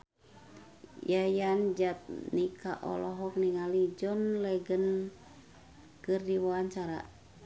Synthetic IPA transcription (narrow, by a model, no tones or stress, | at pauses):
jajand͡ʒat̪̚nika̰ʔɔ̰lɔɦɔk̚niŋalid͡ʒɔnlɛɡən | kɨrdiwaaɲt͡ʃaɾa̰